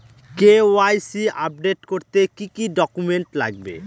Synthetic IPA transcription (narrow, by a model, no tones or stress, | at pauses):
kewajsiap̚ɖeʈkoɾt̪ekikiɖɔkumeɳʈla̰ɡ̚bḛ